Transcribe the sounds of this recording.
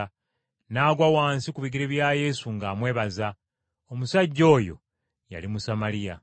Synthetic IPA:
naːɡwawaːnsikuβiɡiɾeβjaːje̞suŋɡaːmwe̞ːβaza | omusaɟːo̞ːjo̞̰ | ja̰limusamaɾija

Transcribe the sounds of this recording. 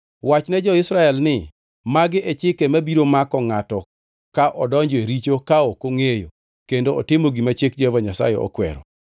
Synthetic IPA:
wat͡ʃnɛd͡ʒɔɪsɾaɛlnɪ | maɡɪʔɛt͡ʃɪkemabiɾomakɔŋatɔ | kaʔɔdɔɲd͡ʒɔeɾit͡ʃokaokoŋejo̰ | kendoɔ̰tɪmoɡimat͡ʃek̚d͡ʒohevaɲasa̰jɛ̰ɔ̰kwɛ̰ɾɔ̰

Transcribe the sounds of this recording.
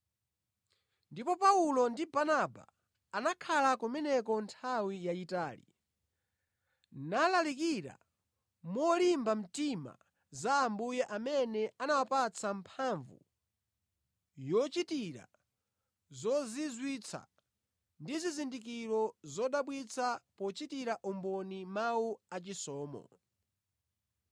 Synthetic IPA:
ndipɔpaulɔndibanaba̰ː | nakʰalakumɛnɛkɔntʰawijaitaːlḭ | nalalikiɾa̰ | mɔlimbam̩tima̰ | zaːmbujɛʔamɛnɛanawapat͡sʰampʰaɱvṵ | jɔt͡ʃitiɾa̰ | zɔzizwit͡sʰa̰ | ndizizindik̬iɾɔzɔɗaɓwit͡sʰapɔt͡ʃitiɾaʔumbɔnimauat͡ʃisɔːmɔ̰

